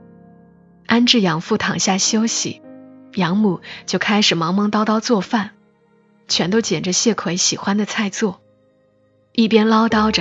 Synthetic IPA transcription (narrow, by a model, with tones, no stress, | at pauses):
a˥nʈ͡ʂɻ̩˥˩jɑ˧˥ŋfu˥˩t̪ʰɑ˨˩ŋɕja˥˩ɕjo˥ʊɕḭ˨˩jɑ˧˥ŋmu˨˩t͡ɕjo˥˩ʊkʰa˥ɪʂɻ̩˨˩mɑ˧˥ŋmɑ˧˥ŋt̪ɑ˥ʊt̪ɑ˥ʊt͡swɔ˥˧fa˥˩n | t͡ɕʰɥɛ˧˥nt̪o˥ʊt͡ɕjɛ˨˩nʈ͡ʂə˦ɕjɛ˥˩kʰwe˧˥ɪɕi˨˩xwa˥nd̪ə˨t͡sʰa˥˧ɪt͡swɔ˥˩ | i˥˩pjɛ˥nlɑ˥ʊt̪ɑ˥ʊʈ͡ʂə˨